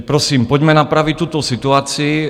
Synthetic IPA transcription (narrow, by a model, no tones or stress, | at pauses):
pɾɔsiːmpɔɟmɛnapɾaʋit̪ut̪ɔsit̪uaːt͡sii